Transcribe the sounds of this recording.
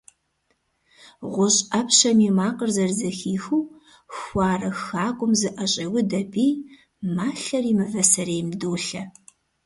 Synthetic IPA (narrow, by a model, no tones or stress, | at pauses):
ʁʷʊɕʼɐpɕɐmiːmaːqərzɐrzɐxiːxuː | xʷɑːrɐxaːkʷʼʊmzɨʔɐɕʼɐwʊdɐbiː | maːɬɐriːmɨvɐsɐɾeːjmduːɬɐ